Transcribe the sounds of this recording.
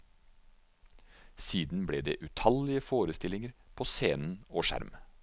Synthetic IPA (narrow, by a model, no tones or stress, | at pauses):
siːd̪n̩bɽeːd̪ḛːʔʉt̪ʰɑlɪəfoːɾəst̪ɪlɪŋəɾpʰoːseːnn̩oːʃæ̰ɾm